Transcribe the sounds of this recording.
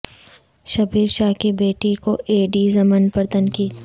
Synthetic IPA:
ʃɐbiːɾʃaːɦkibeːʈikoʔeːɖiːzɐmənpɐɾt̪ɐnkiːt̪

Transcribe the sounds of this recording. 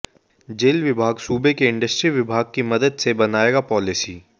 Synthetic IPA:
d͡ʒeːlʋɪbʱaːɡsuːbekeɪ̃ɳɖəsʈɾiʋɪbʱaːɡ̚kimɐd̪əd̪sebɐnaːeːɡapɔːlɪsiː

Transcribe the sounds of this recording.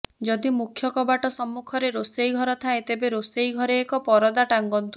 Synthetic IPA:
d͡ʒɔd̪imukʰjɔkɔbaʈɔsɔmːukʰɔɾeɾosejɡʱɔɾɔt̪ʰaet̪ebeɾosejɡʱɔɾeːkɔpɔɾɔd̪aʈaŋɡɔnt̪u

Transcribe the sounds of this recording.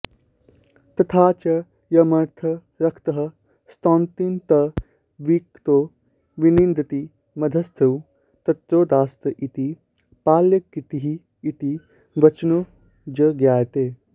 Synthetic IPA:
t̪ɐt̪ʰaːt͡ʃɐ | jɐmɐɾt̪ʰɐ | ɾɐkʰt̪ɐɦɐ | st̪õːnt̪int̪ɐ | ʋiːkt̪oː | ʋinind̪ʱɐt̪i | mɐd̪ʱɐst̪ʰɐw | t̪ɐt̪ɾoːd̪aːst̪ɐʔit̪i | paːljɐkːit̪iɦiː | t̪i | ʋɐt͡ʃno | d͡ʒəɡjaːjt̪eː

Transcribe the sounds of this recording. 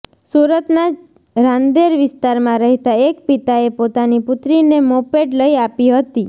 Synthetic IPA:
suɾət̪na | ɾãnd̪eɾʋɪst̪aɾmãɾəɦet̪aekpit̪aepot̪anipʊt̪ɾinemopeʈləiapiɦət̪i

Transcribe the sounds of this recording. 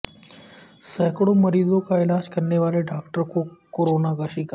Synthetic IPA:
səɦkɽoməɾiːdokajlaskəɾneʋaleɖakʈəɾkokoɾonaɡaɕiːka

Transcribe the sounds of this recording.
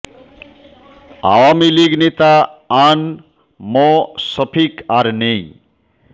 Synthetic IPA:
a̰wamiliɡnet̪aan | mɔsʌpʰikaɾne

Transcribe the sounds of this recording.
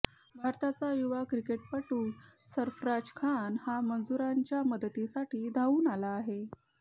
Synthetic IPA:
bʱaɾt̪at͡sajuʋakɾikeʈpəʈuːsəɾfɾad͡ʑkʰanhamənd͡zuɾaɲt͡ɕjaməd̪t̪isaʈʰiːd̪ʱauːnalaːɦe

